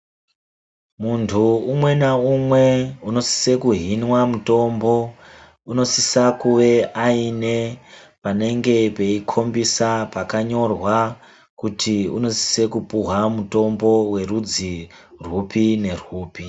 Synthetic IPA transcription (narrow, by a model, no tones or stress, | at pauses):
muntʰuːmwe̞naumwe̞uno̞si̥se̞kuɦinwamuto̞mbo̞ | uno̞sisakuʋe̞aine̞ | pane̞ŋɡe̞pe̞ikʰo̞mbisapakaɲo̞rwa | kutʰiṵno̞si̥se̞kupuɦamuto̞mbo̞we̞rud͡zirupine̞ruːpi